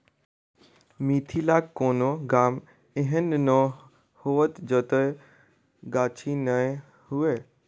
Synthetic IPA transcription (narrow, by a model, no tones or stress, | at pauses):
mit̪ʰilaːkkːoːnoɡaːm | eɦənnɔ | hoʋət̪d͡ʒət̪əj | ɡaːt͡ʃʰinəe | hue